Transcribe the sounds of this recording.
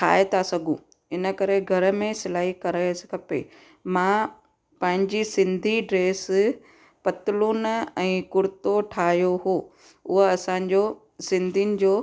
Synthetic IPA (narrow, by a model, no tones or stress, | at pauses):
ʈʰa̰ːet̪ʰasɐɡʱũ | ɪnə̆kɐɾeɡʱɐɾ̆mẽsɪlaːɦikɐɾasɪ̥kʰɐpḛ | mã | pɐ̃ɦɪ̃ɲd͡ʑisɪ̃nd̪ʱiɖɾeːs | pɐt̪ɪluːnɛ̃ːkʊɾɪt̪oʈʰaːɦjoɦoː | ʊɦəɐsãɲ̆d͡ʑoː | sɪ̃nd̪ʱinɪ̆d͡ʑoː